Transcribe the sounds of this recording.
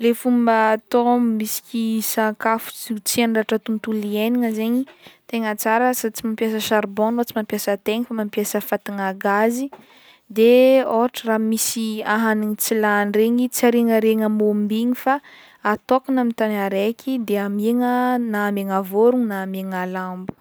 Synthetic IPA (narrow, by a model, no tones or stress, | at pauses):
lefumbət̪ommisi̥kʲisaŋkafu̥t͡sut͡sianɖ͡ʐaʈ͡ʂat̪unt̪ulieniŋəzeɲit̪eŋət͡saɾəsat͡simampjasəʃaɾbonlot͡simampjasət̪eŋifamampjasəfat̪iŋaɡazi | d̪eoɦʈ͡ʂəramisiaɦaniŋit͡silanreɲit͡saɾeŋəɾeŋəmombiɲifaː | t̪okanamit̪anaɾekʲʰid̪eameŋənaːmeŋavoɾuŋnaːmeŋalambu̥